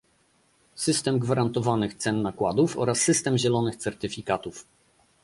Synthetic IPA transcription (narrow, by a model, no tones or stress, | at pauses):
sɘst̪ɛmɡvaɾant̪ɔvanɘxt̪sɛnːakwad̪ufɔ̰ɾasːɘst̪ɛmʑɛlɔnɘxt̪sɛɾt̪ɘfʲikat̪uf